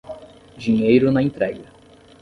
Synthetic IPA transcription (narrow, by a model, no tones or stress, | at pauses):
d͡ʒiɲejɾʊnɐẽnt̪ɾɛɡɐ